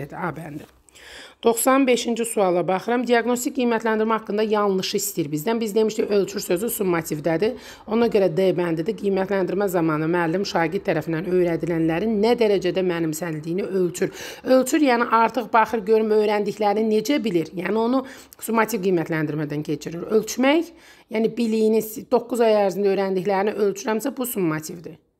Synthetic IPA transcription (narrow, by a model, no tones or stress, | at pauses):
ed̪iɑːbænd̪i | d̪̥o̞xsɑnbe̞ʃind͡ʒisuɑlˠːɑbɑχɯɾɑmd̪ijɑɡno̞st̪icʲɡijmæt̪lænd̪iɾmæhɑkːɯnd̪ɑjɑnˠlˠɯʃɯist̪ijiɾbizd̪ænbizd̪e̞miʃt̪ʰiø̞lʲt͡ʃʰyɾsø̞zysumːɑt̪ʰivd̪æd̪i | o̞nɑɟø̞ɾæd̪ebænd̪id̪iɡijmæt̪ʰlænd̪iɾmæzɑmɑːnɯmæːlːimʃɑːɟid̪t̪̚t̪ʰːæɾæfind̪ænø̞jɾæd̪ilænlæɾinːæd̪æɾæd͡ʒæd̪æmæːnimsænild̪ijniølʲt͡ʃʰyɾø̞lʲt͡ʃʰyɾjæːniʔɑɾt̪ʰɯχbɑχɯɾɟø̞ɾymø̞jɾænd̪içlæɾnine̞d͡ʒæbiliɾjæːnio̞nu | sumːɑt̪ʰivɡijmæt̪ʰlænd̪iɾmæd̪æncʰe̞t͡ʃʰiɾiɾø̞lʲt͡ʃʰmæj | jæːnibilijinisd̪̥o̞kːuzɑjæɾzind̪ø̞jɾænd̪içlæɾniʔø̞lʲt͡ʃʰyɾhæmsæbusumːɑt̪ʰivd̪i